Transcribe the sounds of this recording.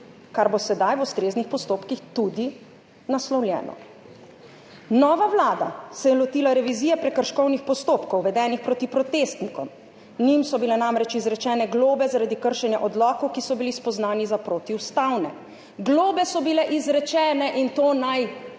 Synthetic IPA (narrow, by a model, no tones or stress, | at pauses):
kaɾbosɛd̪ajʋust̪ɾeːznixpɔst̪oːpkixt̪ud̪i | naslɔwljɛ̰ːnɔ̰ | nɔːʋaʋlaːd̪a̰sɛjɛlɔt̪iːlaɾɛʋiziːjɛpɾɛkəɾʃkɔwnixpɔst̪oːpkɔwʋɛd̪ɛːnixpɾoːt̪ipɾɔt̪eːst̪nikɔm | nimsɔbilɛnamɾɛt͡ʃizɾɛt͡ʃɛːnɛɡloːbɛzaɾad̪ikəɾʃɛnjaʔɔd̪lɔːkɔwkisɔbilispɔznaːnizapɾoːt̪iwst̪awnɛ | ɡloːbɛsɔbilɛʔizɾɛt͡ʃɛːnɛʔint̪oːnaj